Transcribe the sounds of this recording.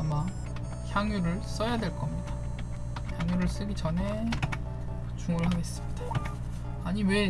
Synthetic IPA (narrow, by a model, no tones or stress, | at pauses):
ama | çjaŋjuɾɯɭs͈ʌjadwe̞ɭk͈ʌmɲida | çjaŋjuɾɯɭs͈ɯɡit͡ɕʌne̞ | t͡ɕuŋɯɭhaɡe̞s͈ɯ̥midḁ | aɲiwe̞